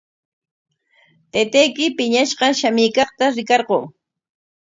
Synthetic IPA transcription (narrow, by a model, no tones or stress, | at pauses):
t̪et̪ejkɪpɪɲaʃɢɑʃamɪjkɑχt̪aɾɪkɑɾɢoŋ